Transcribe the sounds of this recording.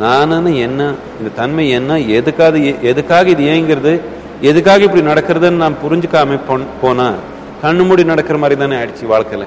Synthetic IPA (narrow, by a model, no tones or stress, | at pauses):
naːnɐnɯɛnːɐ | ɪnd̪ɐt̪ɐnmɐɛnːɐɛðɯkːaːðɐeʔɛðɯkːaːɣɐɪðɯjẽːɪŋɡɪɾɐðɯ | ɛðɯkːaːɣɐɪpːɐɽinɐɽɐkːɯɾɐðɐnːɯnaːmpʊɾɪɲd͡ʒɯkːaːmeːpopoːnãː | kɐɳːɯmʊɽinɐɽɐkːɪɾɐmaːd̪ɾit̪ãːneɐɽɯt͡ʃːɯʋaːɭkɐlɛẽ